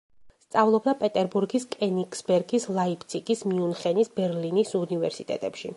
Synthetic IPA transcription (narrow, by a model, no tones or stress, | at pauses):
st̪sʼavlˠɔbd̪apʼɛt̪ʼɛɾbuɾɡiskʼɛnikʼsbɛɾɡislˠaipʰt̪sʰikʼismiunχɛnisbɛɾlinisunivɛɾsit̪ʼɛ̰t̪ʼɛpʃḭ